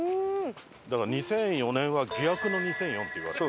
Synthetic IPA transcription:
ɯ | d̪akaɾaɲ̟isẽ̞ɰ̃jo̞nẽ̞ɰ̃βaɡʲiakɯ̟no̞ɲ̟isẽ̞ɰ̃jõ̞nt̪ːe̞jiβa̰

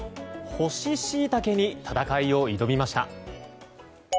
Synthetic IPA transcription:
ho̞ɕiɕiːt̪ake̞ɲ̟it̪ʰat̪akaio̞id̪o̞bʲimaɕi̥t̪a̰

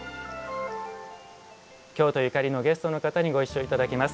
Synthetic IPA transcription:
kʲo̞ːt̪o̞jikaɾʲino̞ɡe̞sɨ̥t̪o̞no̞kat̪aɲ̟iɡo̞iɕːo̞it̪ad̪akʲimasɨ̥

